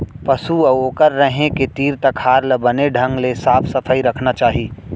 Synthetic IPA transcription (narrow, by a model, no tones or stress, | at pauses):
pɐsuɐoːkəɾːəɦẽket̪iːɾt̪ɐkhaːɾləbəneɖʱɐ̃ŋɡlesaːpʰsɐpʰəiɾɐkʰnat͡ʃaːɦiː